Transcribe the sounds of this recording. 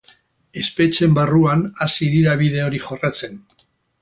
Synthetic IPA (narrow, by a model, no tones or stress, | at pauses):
e̞spe̞t͡ʃe̞mbaruanasiðiɾaβið̞e̞o̞ɾixo̞rat͡se̞n